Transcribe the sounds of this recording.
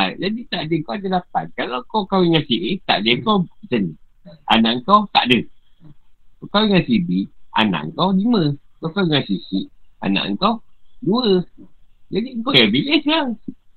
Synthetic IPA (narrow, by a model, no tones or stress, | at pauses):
ad͡ʒadit̪aʔdəŋkowadəlapa̰n̚kalawkokawiŋasiʔit̪a̰ʔdəŋkowsəni | a̰naʔŋkawt̪a̰ʔdə | okawiŋasibia̰na̰ʔŋkawliməkokawiŋasisiʔa̰na̰ʔŋ̩kawduə | d͡ʒadiŋkoɛbiʔəsaŋ